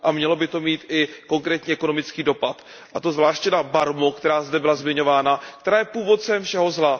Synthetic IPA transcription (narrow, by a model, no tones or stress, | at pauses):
ʔamɲɛlo̞bɪt̪o̞miːt̪ɪko̞ŋkɾɛːt̪ɲiɛko̞no̞mɪt͡skiːdo̞pat̪ | ʔat̪o̞zvlaːʃcɛdabaɾmokt̪ɛɾaːzdɛbɪlazmɪɲo̞vaːnakkt̪ɛɾaːjɛpuːvo̞t̪̚t͡sɛmfʃɛɦo̞zla